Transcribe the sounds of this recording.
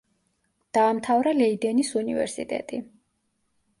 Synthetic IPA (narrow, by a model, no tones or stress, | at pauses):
d̪̥aːmt̪ʰavɾalɛid̪ɛnisunḭvɛ̰ɾsit̪ʼɛ̰t̪ʼi